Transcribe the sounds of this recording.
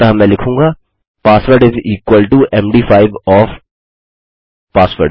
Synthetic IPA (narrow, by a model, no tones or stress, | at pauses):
t̪ɐɦɐmɛ̃lɪkʰũːŋɡaː | paːsʋəɾɖɪziːkwəlʈuʔɛ̃mɖiːfaːɪʋɔːf | paːsʋəɾɖ